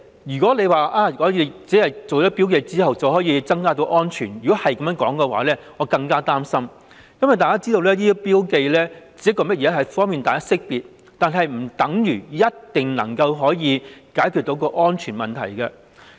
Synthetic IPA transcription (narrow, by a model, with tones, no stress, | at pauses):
jyː˨˩kɔː˨˥le˨˧jwaː˨˩ʔaː˨˩ŋɔː˨˧jiː˨˧t͡siː˨˥hɐ˨jt͡so˨wd͡ʒɔː˨˥piː˥wke˧jt͡siː˥hɐ˨wt͡sɐ˨˩whɔː˨˥jiː˨˧t͡sɐ˥ŋkaː˥t̪o˨˧˥wʔɔː˥nt͡ʃʰyː˨˩njyː˨˩kɔː˨˥hɐ˨jkɐ˨mjːŋkɔː˨˥ŋkɛ˧wa̰ː˨˥lɛː˥ŋɔː˨˧kɐ˧ŋkaː˥t̪aː˥msɐ˥m | kɐ˥mwɐ˨˩jt̪aː˨˩kaː˥t͡siː˥t̪o˧wlɛː˥liː˥piː˥wke˧jlɛː˥t͡siː˨˥jɐ˥kːɔː˧mɐ˥t̚jɛː˨˧˥ɦɐ˨jfɔː˥ŋmiː˨nt̪aː˨jkaː˥sɪ˥k̚piː˨t̚ | t̪aː˨nɦɐ˨jm̩˨˩t̪ɐ˨˥ŋjyː˨˩jɐ˥tt̪ɪ˨ŋnɐ̰˨˩ŋkɐ˧wɦɔː˨˥jiː˨˧kaː˨˥jkʰy˧t̪o˨˥wkɔː˧ʔɔː˥nt͡ʃʰyː˨˩nmɐ˨nt̪ʰɐ˨˩jkɛ˧